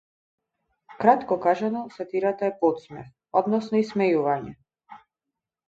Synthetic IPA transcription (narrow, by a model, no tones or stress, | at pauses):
kɾat̪kɔkaʒanɔsat̪iɾat̪aɛpɔt̪smɛf | ɔd̪nɔsnɔismɛjuvaɲɛ